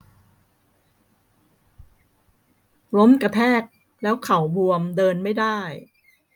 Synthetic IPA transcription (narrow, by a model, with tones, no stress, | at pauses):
lo˦˥mka˧t̪ʰɛː˥˩k̚ | lɛː˦˥wkʰa˨˩˦wbu˧əmdɤː˧nma˥˩jdaː˥˩j